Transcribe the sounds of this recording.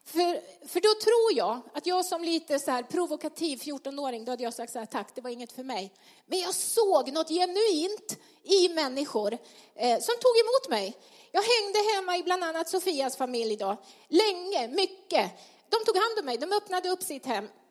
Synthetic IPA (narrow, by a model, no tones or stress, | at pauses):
fœɾfœɖɔt̪ʰɾuːɾjɑːɡat̪jɑːɡsɔmliːt̪əsɔhæːɾpʰɾʊvʊkat̪ʰiːvfjuːʈɔnoːɾɪŋd̪ɔhad̪ːəjɑːsak̚t̪sɔhæːʈ̪ʰakːd̪̥ɛvaɾɪŋːət̪fœɾmɛj | mɛnjɑːɡsoːɡnɔt̪ːjɛnɵiːnt̪ | ɪmɛnːɪɧʊɾ | sɔmt̪ʰuːɡɛmuːt̪mɛj | jɑːɡɦɛŋd̪əɦɛmːaɪbland̪anːat̪sʊfiːasfamɪljɪd̪ɑːlɛŋːəmʏkːə | d̪̥ɔmt̪ʰuːɡhand̪ɔmːɛjd̪ɔmœpnad̪əɵpːsɪt̪hɛmː